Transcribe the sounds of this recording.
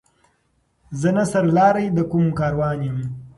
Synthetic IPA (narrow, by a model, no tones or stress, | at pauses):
zənasaɾlɑːɾajd̪əkumkɑːɾwɑːnjem